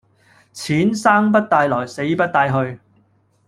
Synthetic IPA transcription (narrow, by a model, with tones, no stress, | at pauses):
t͡sʰiː˨˥nsaː˥ŋp̬ɐ˥t̚t̪aː˧jlɔː˨˩jse˨˥jpɐ˥t̚t̪aː˧jɦɵ˧ɥ